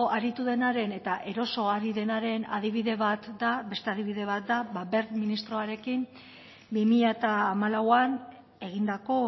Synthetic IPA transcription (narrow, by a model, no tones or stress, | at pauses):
aɾit̪uðe̞naɾe̞ne̞t̪aʔe̞ɾo̞so̞aɾiðe̞naɾe̞na̰ð̞iβ̞iðe̞βat̪d̪abe̞st̪e̞aðiβiðe̞β̞at̪̚d̪aβabe̞ɾminist̪ɾo̞aɾe̞kim | bimiʎat̪aːmalawan | e̞ɣ̞ind̪ako̞